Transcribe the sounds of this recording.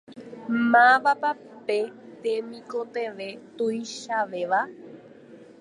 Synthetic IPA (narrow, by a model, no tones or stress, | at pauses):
mãʋapa | pet̪emĩkot̪eʋet̪ujʃaʋeʋa